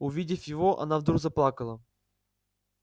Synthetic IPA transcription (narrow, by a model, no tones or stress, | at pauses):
ʊvʲidʲɪfʲjɪvoʔɐ̰navd̪ɾuɡzɐplˠakəlˠə